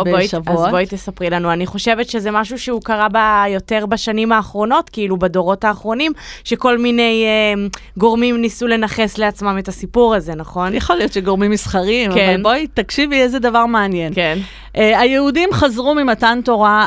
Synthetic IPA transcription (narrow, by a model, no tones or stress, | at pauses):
bboiʃvazbojit̪esapʁilanuaniχo̞ʃe̞vetʃezemaʃuʃeukaʁabajo̞te̞ʁbaʃanimaːχʁo̞no̞tkiilubado̞ʁo̞taːχʁo̞nimʃe̞ko̞lmine̞je | ɡo̞ʁmimnisule̞naχe̞sleat͡smame̞tasipuʁaze̞naχo̞njaχolijotʃeɡoʁmimisχaʁimkaevalnbojtakʃiviezedavaʁmeanje̞nken | ʔajeudimχazʁumimatanto̞ʁa